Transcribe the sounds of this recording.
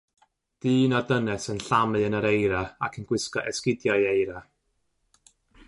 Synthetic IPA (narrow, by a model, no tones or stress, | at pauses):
d̥ɨːnadənɛsənɬamɨənəɾejɾaakʰənɡ̥wɪskɔ̰ʔɛskɪdjajejɾa